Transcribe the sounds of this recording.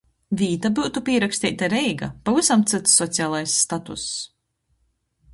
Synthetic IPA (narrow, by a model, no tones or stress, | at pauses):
viːt̪abuːt̪upiɛɾakst̪ʲḭːt̪aɾɛjɡapavisamt̪sɨt̪sːɔt̪sʲiaːlˠajsːt̪at̪ṵs